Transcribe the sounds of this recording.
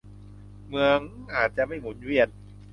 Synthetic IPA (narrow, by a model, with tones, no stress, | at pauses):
mɯ˧əŋʔaː˨˩t̪̚t͡ɕa˧ʔma˥˩jmo˨˦˥n̚wi˥˩ən̚